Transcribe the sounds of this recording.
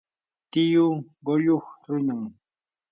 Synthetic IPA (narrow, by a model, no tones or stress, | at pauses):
t̪ɪjʊ | ɢoʎoχɾʊnaŋ